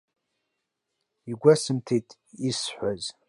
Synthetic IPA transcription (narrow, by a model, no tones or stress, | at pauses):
iɡʷɐsɨmtʰetʼisħʷɔz